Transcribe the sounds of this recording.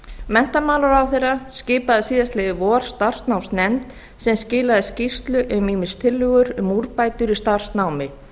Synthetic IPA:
mɛn̥t̪amaːlaɾawθejrːaskcɪːpaðɪsiːðast̪lɛðɪvɔːɾ̥st̪ar̥st̪nawmsnɛnt̪ | sɛmscɪːlaðɪscist̪lʏʔʏmiːmɪ̥st̪ʰɪlːʏɣʏɾʏmuɾpajt̪ʏɾist̪ar̥snawmɪ

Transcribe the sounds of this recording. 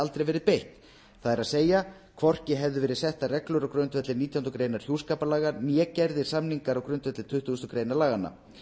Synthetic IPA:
alt̪ɾejvɛːɾɪðpejht̪ | θaðɛɾaðseːja | kʰvɔr̥cɪɦɛvðʏvɛːɾɪðsɛht̪arɛklʏɾawkɾœɥnt̪vɛt̪lɪniːt̪ʰjanɔkɾeːjnaɾ̥çjuwskaːpalaːɣanjɛːcɛɾðɪ̥samniŋkaɾawkɾʏɥnt̪vɛt̪lɪt̪ʰʏht̪ʏʏst̪ɔkɾeːjnaɾlaːɣanːa̰

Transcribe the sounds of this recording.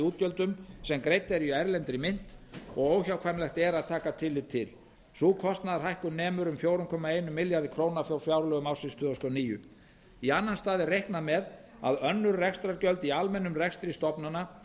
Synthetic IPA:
uːt̪cjœlt̪ʏmsɛmkɾejt̪ɛɾiaɾlɛnt̪ɾɪmɪn̥t̪ɔɣoːwçawkʰvajmlɛxt̪ɛɾaðt̪ʰaːkat̪ʰɪlːɪt̪ʰɪl | suːkʰɔst̪naðɾrɦajhkʏnɛːmʏɾʏmfjoːwɾʏmkʰɔːmaeːjnʏmɪljaɾðɪkʰɾoːwnafjawfjawɾlœɣʏmawsɪnst̪ʰʏːðɔst̪ɔniːjʏ̰ | ianːanst̪aːðɪrejhknamɛð | a̰ðœnːʏɾrɛkst̪ɾaɾcœlt̪ialmɛnːʏmrɛkst̪ɾist̪ɔpnana

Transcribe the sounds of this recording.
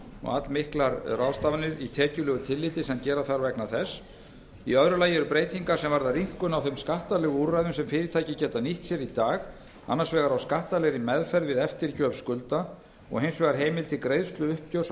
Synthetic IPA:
ɔ̰ɣat̪lmɪhklaɾraðst̪avnɪɾit̪ʰɛːcʏlʏːɣʏt̪ʰɪlːɪːt̪ɪsancɛːɾaθaɾvɛknaθɛs | iœðɾʏlaːjɪɛɾʏpɾeːjt̪iŋkaɾ̥sɛmvaɾðariŋ̥kʏnawθœjmskaht̪alɛːɣʏuɾajðʏmsɛmfɪːɾɪt̪ʰaːjcɪcɛːt̪aniht̪sjɛɾit̪aːɣ | a̰nːaɾsvɛːɣaɾawskaht̪alɛɾɪmɛðfɛɾðvɪðɛft̪ɪɾcœːvskʏlt̪a | ɔ̰ɣɦejnsvɛːɣaɾɦeːjmɪlt̪ʰɪkɾejðst̪lʏʏhpcœws

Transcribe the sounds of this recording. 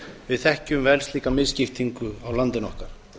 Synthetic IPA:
vɪðθɛhcʏmvɛlst̪liːkamɪðscɪft̪iŋkʏawlant̪ɪnɔhkaɾ̥

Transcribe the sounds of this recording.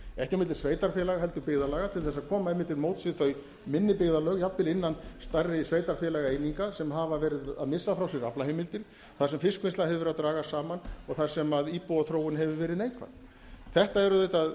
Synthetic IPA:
ɛhcamɪt̪l̥sveːjt̪aɾfjɛlaɣaɦɛlt̪ʏpɪɣðalaːɣat̪ʰɪlθɛsːaðkʰɔːmaɛjmːɪnt̪ːɪlmoːwt̪sɪθœɥ | mɪnːɪpɪɣðalœɣjapːɪlɪnːanst̪arːɪsveːjt̪aɾfjɛlaɣaejniŋkasɛmɦavavɛːɾɪða̰ðmɪsːafɾawsɪɾa̰plaɦeːjmɪlt̪ɪɾ̥ | θasɛmfɪskvɪnst̪lahɦɛvvɪɾaðt̪ɾaːɣasaːmanɔɣθḁsɛmaðiːpɔwaθɾoːwʏnɦɛvʏvɛːɾɪðnejŋkʰva̰θ | θɛht̪aɛɾʏðejt̪að

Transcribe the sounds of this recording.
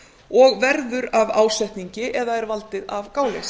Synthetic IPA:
ɔɣvɛɾðʏɾavaːwsɛjht̪niɲcɪʔɛðaɛɾvalt̪ɪðavkaːwles

